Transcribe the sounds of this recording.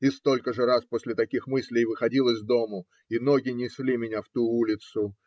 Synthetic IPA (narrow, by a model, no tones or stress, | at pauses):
ɪst̪o̞lʲkəʐɨɾasposʲlʲɪt̪ɐkʲixmɨsʲlʲɪjvɨxɐdʲilˠəzʲvd̪o̞mʊ | ino̞ɡʲɪnʲɪsʲlʲimʲɪnʲaft̪uulʲɪt̪sʊ